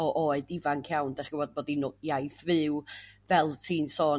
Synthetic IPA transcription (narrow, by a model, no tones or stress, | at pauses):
ɔʔoːɨdivankʰjawnd̥ɛχɡ̥əvɔd̚boːdinʊjajθvɨwvɛlˠtʰiːnsɔː